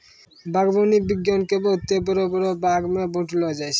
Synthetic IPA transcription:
bʱaɡbonibiɡjɔnkebɔt̪ːebɔɾobɔɾobaɡmebõʈlɔd͡ʒajt͡ʃʰ

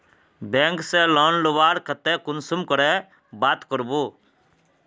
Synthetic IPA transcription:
bɛ̃ːŋkselɔːnloʋaːɾkʰət̪ɛkʊnsumkəɾɛ | baːt̪kəɾbo

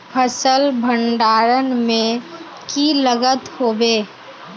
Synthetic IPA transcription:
pʰəsəlbʱə̃ɳɖaːɾənmẽ | kiləɡət̪hoːbeː

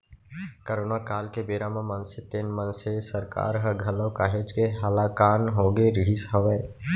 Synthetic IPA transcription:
kəɾoːnakaːlkebeːɾamə̃mənset̪eːnmənsesəɾka̰ːɾɦɐɡʱɐlõkaːɦed͡ʒkeɦalakaːnɦoːɡeɾɪisɦəʋeː

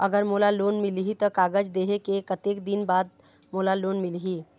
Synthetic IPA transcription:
əɡəɾmoːlaloːnmɪlɦit̪ɔkaːɡəd͡ʒd̪eːɦekekət̪eːkd̪ɪnbaːd̪̚ | moːlaloːnmɪlɦiː

